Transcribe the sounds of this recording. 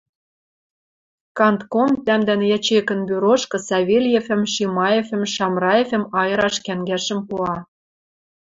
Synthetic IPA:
kɑnt̪komt̪æmd̪ænjæt͡ɕekə̆nbyɾoʃkɤ̆sɑβʲelʲjefɘ̆mʃimɑjefɘ̆mʃɑmrɑefɘ̆mɑjɤ̆ɾɑʃkæŋɡæʃə̆mpuɑ

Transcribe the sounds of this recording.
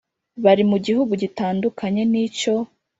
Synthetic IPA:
βaɾimuɟiɦuɡuɟitaːndukʰaɲe̞niːco̞

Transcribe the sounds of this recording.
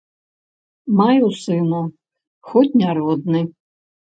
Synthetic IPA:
majusɨnu | xɔtʲnʲaɾɔd̪̚nɨ

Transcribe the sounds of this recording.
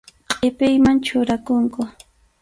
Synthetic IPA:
qʼɪpɪjmant͡ʃʊɾakʊŋkʊ

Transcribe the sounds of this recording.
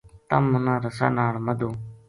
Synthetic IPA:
t̪əmʊnãːɾəsa̰ːnaːɭməd̪ʱoː

